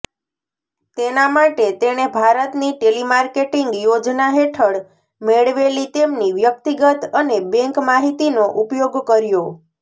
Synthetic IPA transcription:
t̪enamaʈet̪eɽ̃ebʱaɾət̪niʈelimaɾkeʈiŋɡjod͡ʒnaɦeʈʰəɽ | meɭʋelit̪emniʋjək̚t̪iɡət̪ənebɛ̃ŋkmaɦit̪inoʔupjoɡkəɾjo

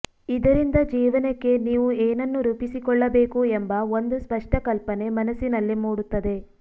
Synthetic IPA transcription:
id̪ɐɾind̪ɐd͡ʒiːʋɐnekːe̞niːʋueːnɐnːuɾuːpisikɔɭːɐbeːkuembɐo̞nd̪uspɐʂʈɐkɐlpɐne̞mɐnɐsinɐlːimuːɽut̪ːɐd̪e̞

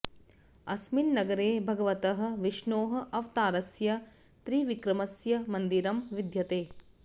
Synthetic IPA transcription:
ɐsminːɐɡɐɾeːbʱɐɡɐʋɐt̪ɐɦɐ̆ʋiʂɳoːɦɐ̆ʔɐʋt̪aːɾɐsjɐ | t̪ɾiːʋikɾɐmɐsjɐmɐnd̪iɾɐmʋid̪ʱjɐt̪eː

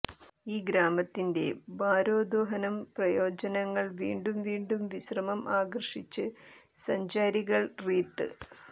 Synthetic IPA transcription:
iːɡɾaːmɐt̪ːinde̞baːɾoːd̪oːɦɐnɐmprɐjo̞ːd͡ʑɐnɐŋːɐɭʋḭːɳɖumʋiːɳɖumʋiɕrɐmɐmʔaːɡɐrʂit͡ɕːɨ | sɐɲd͡ʑaːɾiɣɐɭriːt̪ːɨ̰

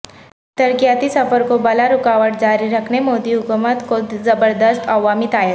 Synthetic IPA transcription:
t̪əɾkijat̪isɐfəɾkobɐlaɾʊkaʋəʈ̚d͡ʑaːɾiɾəkʰnemoːd̪iɦʊkumət̪kod̪zɐbəɾd̪əst̪aʋamit̪aje

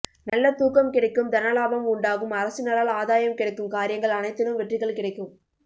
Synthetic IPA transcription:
nɐlːɐt̪uːkɐmkɪɽɐɪkːɯmd̪ɐnɐlaːbɐmʊɳɖaːɣɯmɐɾɐsɯnɐɾalaːðaːjɐmkɪɽɐɪkːɯmkaːɾɪjɐŋɡɐɭɐnɐɪt̪ːɪnɯmʋɛʈrɪɣɐɭkɪɽɐɪkːɯm

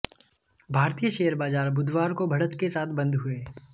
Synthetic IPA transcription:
bʱaːɾt̪ijəʃeːəɾbaːd͡ʒaːɾbʊd̪waːɾkobʱɐɽət̪kesaːt̪ʰbɐ̃nd̪ɦʊeː

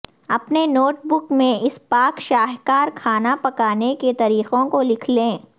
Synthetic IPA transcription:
ɐpnenoːʈbʊkmẽʔɪspaːkʃaːɦkaːɾkʰaːnapɐkaːneket̪ɐɾiːqõkolɪkʰlẽː

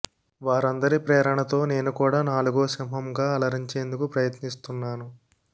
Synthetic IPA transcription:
ʋaːɾɐnd̪ɐɾipɾɛːɾɐɳɐt̪o̞ːne̞ːnukuːɽaːnaːluɡoːsɐmɦɐmɡaːɐlɐɾiɲt͡ʃe̞ːnd̪ukupɾɐjɐt̪nist̪unːaːnu

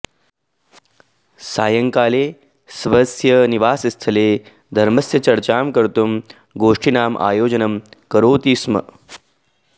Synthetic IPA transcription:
saːjɐŋkaːleː | sʋɐsjɐniʋaːsist̪ʰəleː | d̪ʱɐɾmɐsjɐt͡ɕɐɽt͡ɕaːmkəɾt̪um | ɡoːʂʈʰinaːmʔa̰ːjoːd͡ʑɐnɐmkɐɾoːt̪iːsmə̰

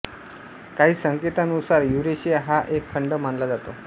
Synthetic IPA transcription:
kaɦiːsəŋket̪anusaɾjuɾeɕijaɦaʔekʰːəɳɖəmaɳlad͡zat̪o

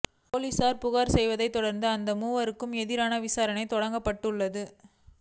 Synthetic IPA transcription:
poːliːsaːɾpʊɣaːɾsɛjʋɐðɐɪt̪ːɔɽɐɾnd̪ɯɐnd̪ɐmuːʋɐɾɯkːɯmɛðɪɾaːnɐʋɪsaːɾɐnɐɪt̪ɔɽɐŋɡɐpːɐʈːɯɭːɐðɯ

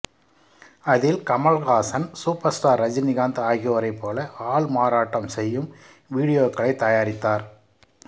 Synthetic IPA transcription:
ɐðɪlkɐmɐɭɣaːsɐnsuːpɐɾsʈaːɾːɐd͡ʒɪnɪɣaːnd̪aːɣɪjoɾɐɪpːoːlɐʔaːɭmaːɾaːʈːɐmsɛjːɯm | ʋiːɽɪjoːkːɐɭɐɪt̪ːɐjaːɾɪt̪ːaːɾ

